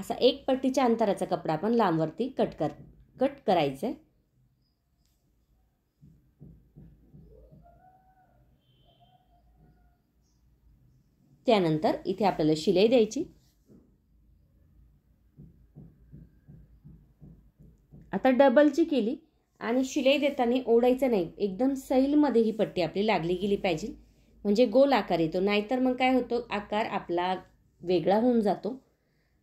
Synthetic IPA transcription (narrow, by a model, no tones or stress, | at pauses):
əsa̰ʔek̚pəʈːit͡ɕjaənt̪əɾat͡sakəpɽaːpəɳlamʋəɾt̪iːkəʈə | kəʈkəɾajt͡se | t̪janənt̪əɾḭt̪ʰeapljaləɕilejd̪jajt͡ɕiː | at̪aɖəbəlt͡ɕiːkeliː | a̰ɽ̃iɕilajd̪et̪aneʔowɽajt͡sənaɦiek̚d̪əmsəjlməd̪ʱːjeɦiːpəʈːiːapliːlaɡliːɡeliːpajd͡ʑiːl | m̤əɳd͡zeɡolakaɾjet̪onaɦit̪əɾməɡ̚kajɦot̪oʔakaɾa̰pla | ʋeɡɭaɦound͡zat̪o